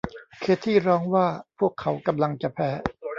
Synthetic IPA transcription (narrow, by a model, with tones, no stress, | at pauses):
kʰeː˦˥t̪ʰːiː˥˩ɾɔː˧ŋwaː˥˩pʰu˥˩əkʰːa˩˦wka˧mla˧ŋt͡ɕa˨˩pʰɛː˧˦